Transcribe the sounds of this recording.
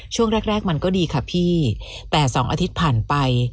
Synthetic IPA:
t͡ɕʰu˥˩əŋɾɛː˦˥˩k̚ɾɛː˥˩k̚ma˧nkɔː˥˩diː˧kʰa˦˧˩pʰiː˥˩ | t̪ɛː˨˩sɔː˩˦ŋʔaː˧t̪ʰi˦˥t̪̚pʰaː˨˩npa˧j

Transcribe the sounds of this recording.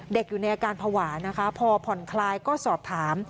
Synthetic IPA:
de˨˩k̚juː˨˩na˧jʔaː˧kaː˧npʰa˧waː˩˦na˦˥kʰa˦˥pʰɔː˧pʰɔ˨˩nkʰlaː˧jkɔː˥˩sɔː˨˩p̚t̪ʰaː˩˦m

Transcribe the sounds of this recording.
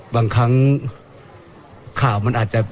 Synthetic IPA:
baː˧ŋkʰa˦˥ŋ | kʰaː˨˩wma˧˥nʔːt̪̚t͡ɕa˧

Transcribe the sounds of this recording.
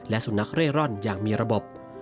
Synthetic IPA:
lɛ˦˥ʔsu˨˩˦na˦˥k̚ɾeː˥˩kɾɔː˥˩njaː˨˩k̚miː˧ɾa˧bo˨˩p̚

